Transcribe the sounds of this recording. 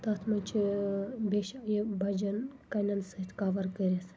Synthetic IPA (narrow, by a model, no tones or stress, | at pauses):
t̪ɐt̪ʰmɐnt͡ʃʰibeʃjibɐd͡ʒɐnkɐnɐnsɐit̪ʰkaʋɐɾkəɾʲes